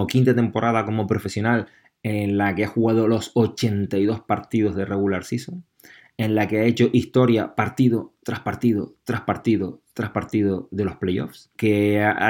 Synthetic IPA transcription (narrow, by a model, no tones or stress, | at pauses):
okĩnt̪at̪e̞mpo̞ɾʔað̞ako̞mo̞pɾo̞fe̞sjo̞nal | e̞nlake̞axuɣað̞o̞lo̞sot͡ʃe̞nt̪ajðo̞spaɾt̪ið̞o̞ɦðe̞rʔe̞ɣulaɾsisoŋ | ẽ̞nlake̞ae̞t͡ʃo̞ʔist̪o̞ɾjapaɾt̪iðo̞t̪ɾahpaɾt̪iðo̞t̪ɾahpaɾt̪iðo̞t̪ɾahpaɾt̪iðoðe̞lo̞hple̞jo̞̰fs | ke̞a̰